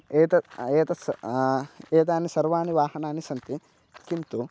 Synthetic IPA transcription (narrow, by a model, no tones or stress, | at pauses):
eːt̪ɐeːt̪ɐs | eːt̪̬aːnisɐɾʋaːniʋaːhɐnaːnisɐnt̪i | kint̪u